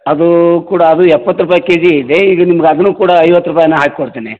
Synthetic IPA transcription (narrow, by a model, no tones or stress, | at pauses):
ɐd̪ukuːɽɐːd̪uɛpːɐt̪ːɾupaːjikeːd͡ʒiid̪eiːɡɐnimɐɡeɐd̪ɐnːuːkuːɽɐɐjʋɐt̪ːɾup̬aːjɐnːɐɦaːkikoɽt̪eːne